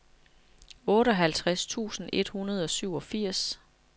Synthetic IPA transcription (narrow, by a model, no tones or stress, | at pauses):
ɔ̽ːɾəɒ̽ɦælt͡sʰʁast͡sʰṵːsn̩e̝d̥hunɐð̞ˠɒ̽syʊ̰ɒ̽fiɐ̰s